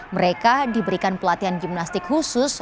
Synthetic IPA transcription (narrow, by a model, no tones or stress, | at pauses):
məɾekadibəɾikanpəlat̪iɦanɡimnast̪ɪkhusʊs